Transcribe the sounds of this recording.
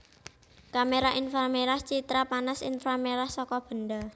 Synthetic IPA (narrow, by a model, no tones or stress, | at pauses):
kameɾaʔinfarmeɾaht͡ʃit̪ɾapanasḭnfameɾahsɔkɔb̥ə̤nd̪a